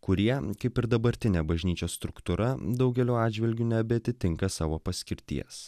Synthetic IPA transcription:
kʊɾʲiɛkɐɪpɪɾd̪ɐbɐɾʲt̪ʲɪnʲeːbɐʒʲnʲiːt͡ʃʲoːsst̪ɾʊkt̪ʊɾɐd̪ɐʊɡʲɛlʲoːɑːd̪ʲd͡ʒʲʋʲɪlʲɡʲuːnʲɛbʲɛɐt̪ʲɪt̪ʲɪŋkɐsɑːʋoːpɐsʲkʲɪɾʲt̪ʲḭɛs

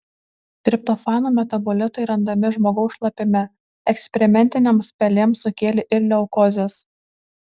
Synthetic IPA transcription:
t̪ʲɾʲɪp̚t̪ɔfɑːnuːmʲɛt̪ɐbɔlʲɪt̪ɐɪɾɐnd̪ɐmʲɪʒmoːɡɐʊsʃlˠɐpʲɪmʲɛ | ɛksʲpʲɛɾʲɪmʲɛnʲt̪ʲɪnʲeːmspʲɛlʲeːmsʊkʲeːlʲɪʔɪɾlʲɛʊkɔzʲes

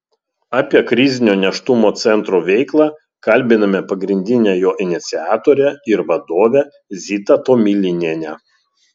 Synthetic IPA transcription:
ɑːpʲiɛkɾʲɪzʲɪnʲoːnʲɛʃt̪ʊmoːt̪sʲɛnt̪ɾuːʋʲɛɪklˠɑː | kɐlʲbʲɪnɐmʲɛpɐɡɾʲɪnʲd̪ʲɪnʲɛːjoːʔɪnʲɪt̪sʲɪɑːt̪oːɾʲɛɪɾʋɐd̪oːʋʲæ | zʲit̪ɐt̪oːmʲilʲɪnʲeːnʲɛ

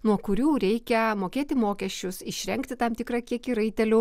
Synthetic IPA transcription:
nuɔkʊɾʲuːɾʲɛɪkʲɛmoːkʲeːt̪ʲɪmoːkʲɛʃʲt͡ʃʲʊsɪʃʲɾʲɛŋkt̪ʲɪt̪ɐmt̪ʲɪkrɑkʲiɛkiːɾɐɪt̪ʲɛlʲʊ

